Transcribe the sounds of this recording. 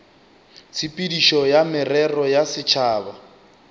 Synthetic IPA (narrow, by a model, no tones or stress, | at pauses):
t͡sʰipʼidiʃɔjamɪrɛrɔjasɪt͡ʃʰaːba